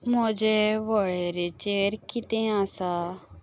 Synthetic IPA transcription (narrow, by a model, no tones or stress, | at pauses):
mɔd͡ʒeʋɔɭeɾet͡ʃeːɾkit̪ẽãːsa